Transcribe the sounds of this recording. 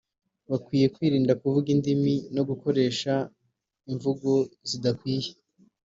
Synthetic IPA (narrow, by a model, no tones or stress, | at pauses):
βakwiːje̞kwiːɾiːndakuvuɡindimino̞ɡuko̞ɾe̞ːʃa | iɱvuɡo̞zidakwiːje